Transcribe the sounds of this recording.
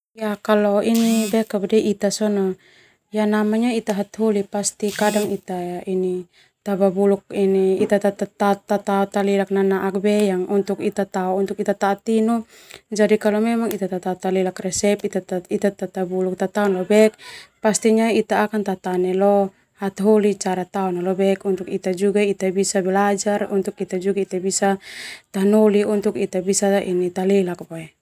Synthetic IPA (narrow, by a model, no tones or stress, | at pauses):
jakalɔinibɛkabadɛʔit̪asɔnɔ | janamaɲait̪aɦat̪ɦulipast̪ikadaŋit̪aini | t̪ababuluk̚iniit̪at̪at̪at̪at̪at̪aɔt̪alilak̚nanaʔak̚bɛjaŋunt̪ukit̪at̪aɔunt̪ukit̪at̪aːt̪inu | d͡ʒadikalɔmɛmaŋit̪at̪at̪at̪alilakrɛsɛpit̪ait̪at̪at̪abuluk̚t̪at̪aɔnlɔbɛk̚past̪iɲait̪aːkant̪at̪anɛlɔ | hat̪ɦɔlit͡ʃaɾat̪aɔnalɔbɛkunt̪ukit̪ad͡ʒuɡait̪abisabɛlad͡ʒarunt̪ukit̪ad͡ʒuɡait̪abisat̪anɔliunt̪ukit̪abisainit̪alɛlak̚baɛ